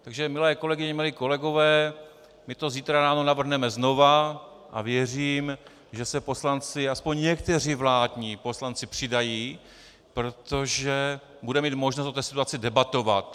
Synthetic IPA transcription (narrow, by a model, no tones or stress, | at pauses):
t̪aɡʒɛmɪlɛːko̞lɛɡɪɲɛmɪliːko̞lɛɡo̞vɛː | mɪt̪o̞ziːt̪ɾaɾaːno̞navr̩ɦnɛmɛzno̞va | ʔa̰vjɛr̝iːm | ʒɛsɛpo̞slant͡sɪaspo̞ɲɲɛkt̪ɛr̝iːvlaːdɲiːpo̞slant͡sɪpr̥ɪdajiː | pɾot̪o̞ʒɛ | budɛmiːt̪mo̞ʒnost̪ot̪ɛːsɪ̥t̪uat͡sɪdɛbat̪o̞vat̪